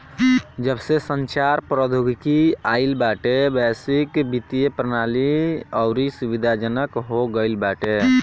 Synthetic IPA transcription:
d͡ʒəbsesənt͡ʃaɾpɾəd̪ʱuɡkiailbaʈebɛsikbit̪ijepɾənaliɔʊɾisubid̪ʱad͡ʒənəkɦoɡəɪlbaʈe

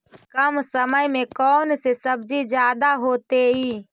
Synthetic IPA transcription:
kəmsəməjmẽkɔːnsesəb̚d͡ʒid͡ʒjaːd̪aɦoːt̪eɦiː

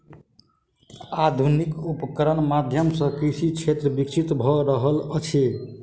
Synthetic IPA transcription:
ad̪ʱunikupkəɾənmad̪ʱjəmsə̃kɾisit͡ʃʰet̪ɾəbik̚t͡ʃʰit̪bʱɔɾəɦələt͡ʃʰe

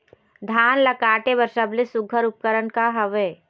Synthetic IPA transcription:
d̪ʱaːnlɐkaːʈebəɾʃəblesʊɡʱəɾʊp̚kəɾənkaɦəʋeː

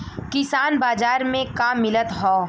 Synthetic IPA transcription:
kɪsaːnbaːd͡ʒaːɾmẽkaːmːɪlət̪ɦɔː

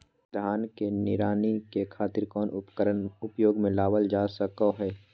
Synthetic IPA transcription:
d̪ʱaːnkenɪɾaːnikekʰaːt̪ɪɾkɔːnʔʊpkəɾənʊpjoːɡmẽlaːʋəld͡ʒaːsəkoɦɛː

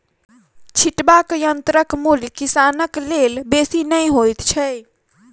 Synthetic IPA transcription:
t͡ʃʰiʈbakjənt̪ɾəkmulkisanəklelbesinəjɦojt̪t͡ʃʰɛ

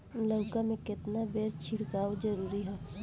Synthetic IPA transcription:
ləʋkamẽkɪt̪nabeːɾt͡ʃʰɪɽkaːod͡ʒɐɾuːɾiɦɛː

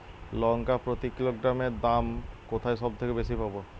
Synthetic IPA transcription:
lɔŋkapɾot̪ikiloɡɾameɾd̪amkot̪ʰaesɔb̚t̪ʰekebesipabo

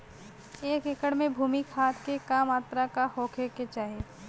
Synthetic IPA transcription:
eːkɪkəɽmẽbʱuːmikʰaːt̪kekaːmaːt̪ɾakahoːkʰeket͡ʃaːɦe

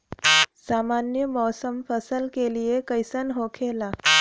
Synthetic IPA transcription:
samanjəmɔsəmfəsəlkelijekəjsənɦokʰela

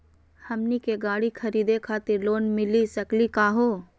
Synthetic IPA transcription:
hɐmnikeɡaːɽikʰɐɾiːd̪ekʰaːt̪ɪɾloːnmɪlisɐklikaːɦoː

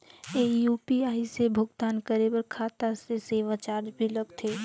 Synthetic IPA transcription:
ejuːpiaːisebʱʊɡt̪aːnkəɾebəɾkʰaːt̪aseseːʋat͡ʃaːɾd͡ʒbʱiləɡt̪ʰeː

